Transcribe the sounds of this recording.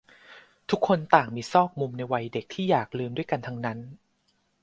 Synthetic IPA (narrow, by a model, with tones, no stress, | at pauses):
t̪ʰu˦˥kʰːo˧nt̪aː˨˩ŋmiː˧sɔː˥˩k̚mu˧mna˧jwa˧jde˨˩k̚t̪ʰiː˥˩jaː˨˩k̚lɯː˧mdu˥˩əjka˧nt̪ʰa˧ŋna˦˥n